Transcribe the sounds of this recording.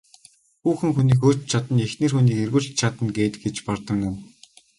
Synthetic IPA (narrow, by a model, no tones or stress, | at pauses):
xuːxɘ̆ŋxuniːkoːt͡ɕt͡ɕʰat̪ə̆nexneːrxuniːkerɣŭɬt͡ɕt͡ɕʰat̪ə̆nɡeːt̪ɡet͡ɕpɔrt̪ə̆knʊw